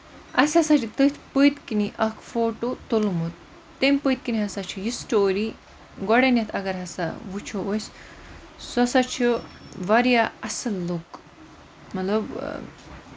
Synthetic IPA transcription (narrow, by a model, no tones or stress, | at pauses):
ɐsasat͡ʃʰit̪ɨt̪ʰpɨjt̪kiniʔɐkʰfoːʈot̪olmut̪̚ː | emʲpɨjt̪̚kiniɦɐsat͡ʃʰiɦisʈoːɾi | ɡɔɽenjɐt̪ʰɐɡɐɾɦɐsa̰ʋut͡ʃʰoojs | sɔsat͡ʃʰiʋɐɾijaɐsɐlːuk | mɐt̪lɐb